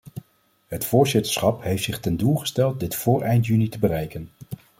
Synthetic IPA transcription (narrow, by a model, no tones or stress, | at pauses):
ɦətfʊːɹzɪtə̥ɹsχɑpɦejftsɪχtɛndulˠχə̥stɛlˠt̚dɪtfʊːɹʔɛjntjynitəbərɛjkən